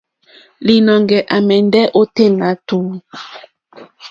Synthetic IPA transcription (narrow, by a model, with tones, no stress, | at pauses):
li˨nɔ˨ŋɡɛ˨ʔa˨mɛ˨ndɛ˦ʔo˦te˦˨na˨˦tu˨˦